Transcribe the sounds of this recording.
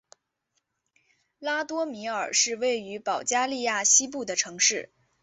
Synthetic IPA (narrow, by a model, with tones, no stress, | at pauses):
la˥t̪wɔ˥mi˧˥ə˞˨˩ʂɻ̩˥˧we˥˩ɪy˧˥pɑ˨˩ʊt͡ɕja˥li˥˧ja˥˩ɕi˥p̬u˥˩d̪ə˩ʈ͡ʂʰɤ˧˥ŋʂɻ̩˥˩